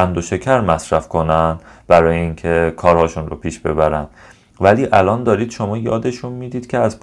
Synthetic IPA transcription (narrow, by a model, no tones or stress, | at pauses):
ænd̪oʃe̞cʰæɾmæsɾæfkʰo̞nænd̪b̥æɾɒːjeiːŋcʰekʰɒːɾhɒːʃunro̰pʰiːʃb̥e̞̰bæɾænd̪̥ | væliːʔælɒːnd̪ɒːɾiːd̪̥ʃo̞mɒːjɒːd̪e̞ʃunmiːd̪iːd̪cʰe̞æzp